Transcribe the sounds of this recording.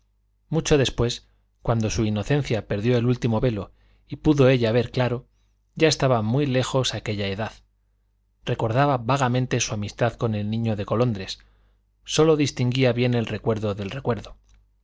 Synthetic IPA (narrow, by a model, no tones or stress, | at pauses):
mut͡ʃo̞ðe̞spwe̞s | kwand̪o̞suino̞θẽ̞n̟θjape̞ɾðjo̞e̞lult̪imo̞βe̞lo̞ | ipuðo̞e̞ʎaβ̞e̞ɾklaɾo̞ | ɟ͡ʝae̞st̪aβamwile̞xo̞sake̞ʎae̞ðað | re̞ko̞ɾðaβaβaɣamẽnt̪e̞suamist̪aðko̞ne̞lnĩɲo̞ðe̞ko̞lo̞nd̪ɾe̞sː | o̞lo̞ðist̪iŋɡiaβje̞ne̞lre̞kwe̞ɾðoðe̞lre̞kwe̞ɾðo̞